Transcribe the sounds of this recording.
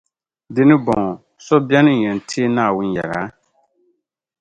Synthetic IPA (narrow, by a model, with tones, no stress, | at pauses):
dɪ˦nɪ˦bɔ˨ | sɔ˦bja˦nɨ˦ɲɛ˨n˨tʰi˦e˦naː˦˨wʊ˦njɛ̰˨la̰˨˦